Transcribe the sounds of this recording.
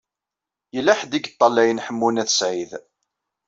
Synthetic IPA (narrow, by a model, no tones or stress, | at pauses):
jəlːæħd̪iɡt̪ˤːɑlːæjənħəmːunæθəsʕið